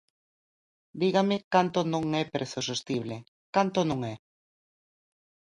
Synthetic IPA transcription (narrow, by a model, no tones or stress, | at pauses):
d̪iɣamɪkant̪onõŋɛpeɾsusest̪iβle | kant̪onõŋɛ